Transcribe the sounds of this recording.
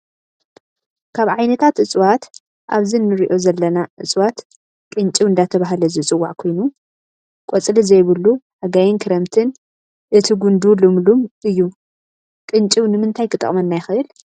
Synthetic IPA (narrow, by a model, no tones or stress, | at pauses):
kʰaβʕajnɐt̪ʰat̪ʔɨt͡sʼwat̪ | ʔaβzinːɨɾiʔo̞zɐlːɐnaʔɨt͡sʼwat̪ | kʼɨnt͡ʃʼiwɨnd̪at̪ʰɐβaɦlɐzɨt͡sʼɨwːaʕkʰo̞jnu | kʼot͡sʼlizɐjβɨlːu | aɡajinkʰɨɾɐmt̪ʰɨn | ʔɨt̪ʰiɡund̪ulɨmlumɨjːu | kʼɨnt͡ʃʼiwnɨmɨnt̪ʰajkʰɨt̪ʼɐ̰χʼmɐnːajɪxɨʔɨl